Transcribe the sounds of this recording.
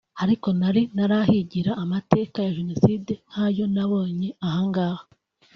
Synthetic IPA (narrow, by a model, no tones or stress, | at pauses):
haɾiko̞naɾinaɾahiɟiɾaʔːmate̞ːkajaʒunoside̞nhajo̞naβo̞ːɲeahaːŋɡaːha